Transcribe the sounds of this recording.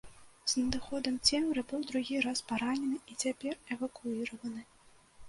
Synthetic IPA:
z̥nʲɐd̪ɨxɔd̪ɐmt͡sʲɛmɾɨbɨwd̪ɾuɣʲiɾaspaɾanʲɛnɨit͡sʲapʲɛrɛvɐkuiɾɐvɐnɨ

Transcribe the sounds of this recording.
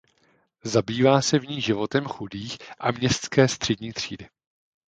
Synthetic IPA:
zabiːvaːsɛvɲiːʒɪvo̞t̪ɛmxudiːxʔamɲɛst̪skɛːst̪r̝̥ɛdɲiːt̪r̝̥iːdɪ

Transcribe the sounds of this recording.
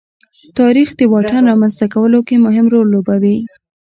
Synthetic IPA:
t̪ɑɾixd̪əwɑʈanɾɑmanzt̪akawəlokemʊɦɪmɾolːobawi

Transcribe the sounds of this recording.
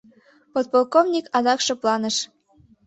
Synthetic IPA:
pot̪̚polˠkovnʲikɑd̪ɑkʃoplɑnəʃ

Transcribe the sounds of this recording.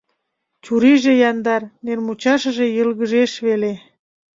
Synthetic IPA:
t͡ɕuɾiʒejɑnd̪ɑrnermut͡ɕɑʃə̆ʒejəlɣəʒeʃβele

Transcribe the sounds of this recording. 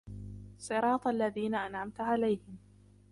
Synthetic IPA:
sˤɨɾˤɑːt̪ˤʔalːaðiːnaʔanʕamt̪ʕalajhɪm

